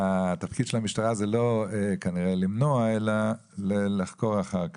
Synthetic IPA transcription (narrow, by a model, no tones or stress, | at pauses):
at̪afkid̪ʃelhamiʃtaʁazelo̞ekaniʁelimnoaela | lelaχko̞ʁaχaʁka